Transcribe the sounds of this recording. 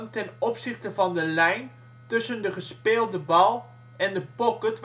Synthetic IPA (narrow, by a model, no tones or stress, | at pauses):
ntɛnɔpsɪχtəvɑndəlɛjn | tɵsəndəχəspeːlˠdəbɑlˠ | ɛndəpɔkətʋ